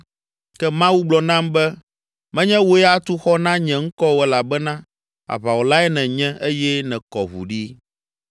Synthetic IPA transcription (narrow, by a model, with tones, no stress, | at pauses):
kɛ˦mã˦wu˦ɡ͡blɔ˨nã˦mbɛ˦ | mɛ̃˦ɲɛ̃˦wo˦ɛ˦a˦t̪u˦xɔ˦nã˦ɲɛ̃˨ŋ̩˦kɔ˦wɛ˨la˨bɛ˦nã˦ | a̰˨βa˨wo˨la˦ɛ˦nɛ̃˨ɲɛ̃˦e˦jɛ˦nɛ̃˨kɔ˨βṵ˨ɖi˦